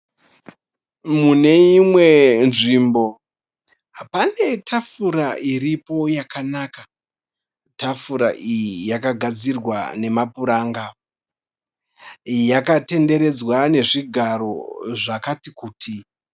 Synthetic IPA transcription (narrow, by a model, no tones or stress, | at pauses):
mune̞imwe̞nʐimbo̞ | ɦapane̞tʰafuɾaʔiɾipo̞jakanaːka | tafuɾa̰ʔijijakaɡʱad͡zirwa̰ne̞mapuɾaːŋɡa | jakate̞nde̞ɾe̞d͡zwane̞ʐiɡʱaɾo̞ʐakatikuːtʰi